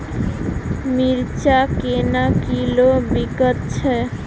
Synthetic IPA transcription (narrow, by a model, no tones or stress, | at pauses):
miɾt͡ɕakenakilobiɡɔt̪t͡ɕʰe